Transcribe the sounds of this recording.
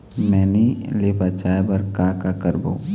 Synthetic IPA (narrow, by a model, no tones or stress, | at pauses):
mɛːnilepat͡ʃaːebəɾkakakəɾba̰u